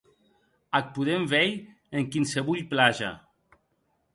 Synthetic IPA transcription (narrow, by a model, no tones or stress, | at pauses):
ak̚puðemvɛj | eŋkinseβuʎplaʒa̰